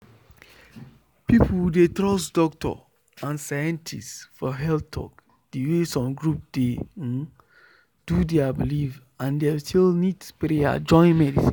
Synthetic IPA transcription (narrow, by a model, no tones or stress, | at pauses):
piplwdetɾɔsdɔk̚tʰɔ̰ | ãnsajɛ̃ntʰḭstfɔɦɛltʰɔ̰k | d̥iwesɔ̃mɡɹup̚d̥ẽ | d̥udeabiliv | ãndestilnitpɾea̰d͡ʒɔ̃ɪ̃nmɛdisĩ